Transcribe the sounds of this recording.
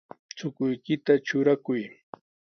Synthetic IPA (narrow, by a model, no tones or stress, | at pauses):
t͡sʊkʊjkɪt̪at͡ʃʊɾakʊj